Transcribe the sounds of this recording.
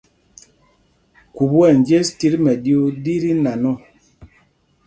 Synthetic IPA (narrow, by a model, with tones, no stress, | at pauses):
ku˨bwɛ˦˨n˨d͡ʒe˦sti˦ɾmɛ˨di˦o˦di˦ɾi˦na˨nɔ˦˨